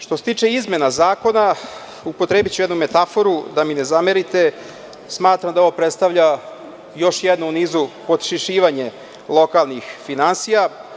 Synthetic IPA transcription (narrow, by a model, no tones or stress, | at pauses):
ʃt̪oset̪iːt͡ʂeizme̞nazaːko̞na | upo̞t̪ɾeːbit͡ɕuɛd̪nume̞t̪afo̞ɾud̪aminezameɾit̪e̞ | smaːt̪ɾamd̪aoʋopɾet̪st̪aʋʎa | jo̞ʃjed̪nouniːzupo̞d̪ʃiʃiːʋaɲe | lˠo̞kalˠnixfinansija